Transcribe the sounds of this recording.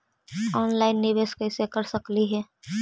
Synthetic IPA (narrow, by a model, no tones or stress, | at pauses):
ɔːnlaːɪnːɪʋeːskəɪsekəɾsəkliɦɛː